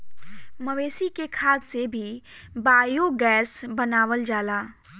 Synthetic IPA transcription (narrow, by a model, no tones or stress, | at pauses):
məʋeːsikekʰaːd̪sebʱi | baːjoɡɛːsbənaːʋəld͡ʒaːlaː